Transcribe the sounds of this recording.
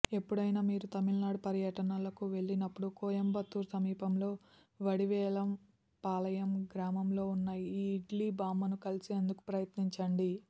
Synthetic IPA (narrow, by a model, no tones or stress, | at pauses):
e̞pːuɽɐjnaːmiːɾut̪ɐmilnaːɽpɐɾjɐʈɐnɐlɐkuʋe̞ɭːinɐpːuɽukɔːjɐmbɐt̪ːuːɾsɐmiːpɐmlo̞ː | ʋɐɽiʋɛːlɐm | paːlɐjɐmɡɾaːmɐmlo̞ːunːaːjiiːɖliːbaːmɐnukɐlisie̞nd̪uku̥pɾɐjɐt̪niɲt͡ʃɐɳɖi